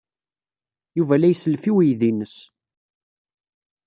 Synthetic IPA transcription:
juvælæjsəlfiwijðinəs

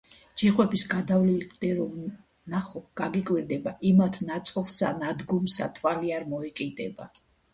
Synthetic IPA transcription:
d͡ʒiχwɛbisɡad̪avlild̪̥ɛɾɔ | naχɔɡ̥aɡikʼwiɾd̪ɛbaʔimat̪ʰnat̪sʼlˠsa̰nad̪ɡɔmsa̰t̪ʰwaliaɾmɔɛkʼid̪ɛba

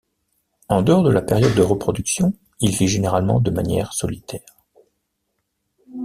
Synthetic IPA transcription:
ɑ̃d̪əɔʁd̪əlapeʁjɔd̪ːəʁəpχɔd̪yksjɔ̃ | ilviʒeneʁalmɑ̰̃d̪əmanjɛ̰ʁsɔlit̪ʰɛːʁ

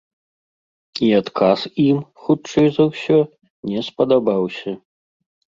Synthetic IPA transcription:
iat̪kʰasimxut͡ʂɐjzɐwsʲɔ | nʲɛspɐd̪abawsʲɐ

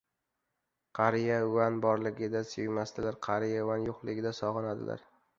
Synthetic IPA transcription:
qʰɑɾɪjaʊwanbɒɾlɪɡʲɪd̪asejmast̪ɪlaɾqʰɑɾɪjaʊanjoqlˠɪɡʲɪd̪asɒʁɨnad̪ɪ̰lʔa̰ɾ

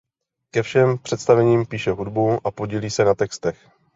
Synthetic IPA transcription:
kɛfʃɛmpr̝̥ɛt̪st̪avɛɲiːmpiːʃɛɦudbuʔapoɟiːliːsɛnat̪ɛkst̪ɛx

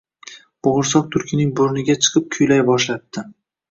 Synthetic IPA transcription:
b̥oʁʊɾsɒq̚t̪ʰʊɾkʲʰɪnɪŋboɾnɪɡʲat͡ʃʰɨ̥qʰɨp̚kʲʰʊjlajbɒʃlat̪t̪ːɪ

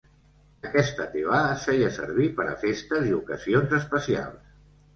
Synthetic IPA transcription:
əkɛst̪ət̪eβaːfɛjəsə̰ɾβ̞ipəɾə̰fest̪əziukəzionzəspəsia̰lˠs

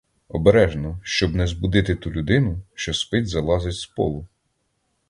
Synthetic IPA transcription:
ɔbeɾɛʒnɔʃt͡ʃɔbnɛzbʊd̪ɪt̪ɪt̪ulʲʊd̪ɪnʊʃt͡ʃɔspɪtʲzɐlˠɑzɪtʲspɔ̰lˠʊ

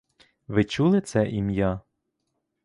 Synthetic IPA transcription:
ʋɪt͡ʃulˠɪt̪sɛʔimja

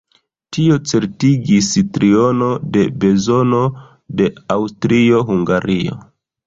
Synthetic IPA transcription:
tio̞t͡se̞ɾtiɡistɾio̞no̞de̞be̞zo̞no̞ | de̞awstɾio̞ɦuŋɡaɾio̞̰

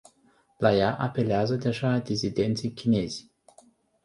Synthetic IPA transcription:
lajaʔape̞leazəd̪e̞ʒad̪izid̪e̞nt̪sijkʲine̞z̥ʲ

